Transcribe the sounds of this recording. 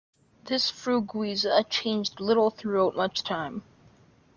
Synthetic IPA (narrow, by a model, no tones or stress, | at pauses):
ðɪsfɹuɡwizət͡ʃʰẽɪ̃nd͡ʒdlɪɾl̩ˠθɹʉaʊt̚mʌt͡ʃtʰãɪ̃m